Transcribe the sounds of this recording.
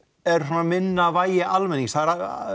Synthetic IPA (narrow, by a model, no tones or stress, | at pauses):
ɛɾ̥sɔːnamɪnːavaːjɪʔalmɪnːiŋksθaðɾa